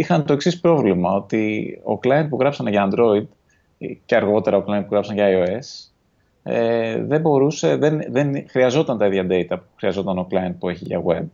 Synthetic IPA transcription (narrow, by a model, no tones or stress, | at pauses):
ixɐnt̪o̞eksispɾo̞vlimɐo̞t̪io̰klɐjnd̪̚puɣɾɐpsɐneʝɐːnd̪ɾo̞id̪ | ceɐɾɣo̞t̪e̞ɾɐoklɐjnpuɣɾɐpsɐnʝɐːjo̞e̞s | ḛðe̞bo̞ɾuse̞ðenðenxɾiɐzo̞t̪ɐnt̪ɐiðʝɐd̪e̞it̪ɐpuxɾiɐzo̞t̪ɐnoklɐjin̚pue̞çiʝɐ̰ɣwe̞b̚